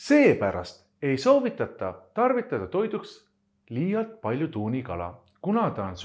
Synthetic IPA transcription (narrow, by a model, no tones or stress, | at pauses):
se̞ːpæɾɑ̰st̪ | e̞jso̞ːvit̪ːˑɑt̪ːˑɑt̪ɑrvit̪ːˑɑd̪̥ɑt̪o̞jd̪̥uks | liːjɑlt̪̚pɑlʲjut̪uːnikɑlɑ̰ | kunɑt̪ɑns